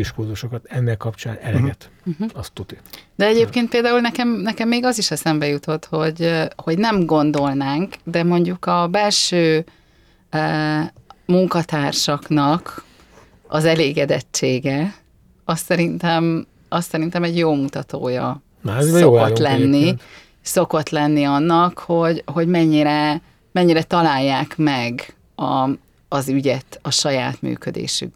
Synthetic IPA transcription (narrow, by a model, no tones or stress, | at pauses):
iʃkurzuʃokɒt̪ɛnːɛkːɒpt͡ʃaːnɛlɛɡɛt̪̩ɒst̪ːut̪id̪ɛɛɟeːp̚keːnt̪peːld̪aːulnɛkɛmnɛkɛmːeːɡɒziʃɛsɛmbɛjut̪o̞t̪ho̞ɟho̞ɟnɛmɡo̞nd̪o̞lnaːŋkd̪ɛmo̞ɲɟukɒbɛlʃøː | muŋkɒt̪aːrʃɒknɒk | ɒ̰zɛleːɡɛd̪ɛt͡ʃːeːɡɛ | ɒsːɛɾint̪ɛm | ɒsːɛɾint̪ɛmɛɟjoːmut̪ɒt̪oːjɒ̰ | sokot̪lɛnːi | so̞ko̞t̪lɛnːiɒnːɒkho̞ɟɦo̞ɟmɛɲːiɾɛ | mɛɲːiɾɛt̪ɒlaːjːaːkmɛɡ | ɒː | zyɟɛt̪ɒʃɒja̰ːt̪my̰ːkød̪ḛːʃy̰k